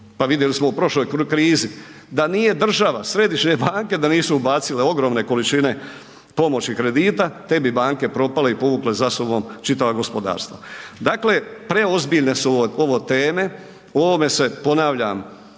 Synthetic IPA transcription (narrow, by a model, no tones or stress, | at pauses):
paʋid̪jelismo̞upɾo̞ʃlo̞ːjkɾiːzi | d̪anije̞d̪r̩ʒaʋasɾe̞d̪iʃɲe̞baːŋke̞d̪aniːsuubaːt̪sile̞o̞ɡɾo̞ːmne̞ko̞lit͡ʃine̞ | po̞mo̞t͡ɕikɾe̞d̪iːt̪at̪e̞bibaːŋke̞pɾo̞pale̞ipo̞ʋuːkle̞zasobo̞mt͡ʃit̪aʋaɡo̞spo̞d̪a̰ːɾst̪ʋad̪akle̞pɾe̞o̞zbiʎne̞suo̞ʋo̞t̪eːme̞ | o̞ʋo̞me̞se̞po̞naʋʎam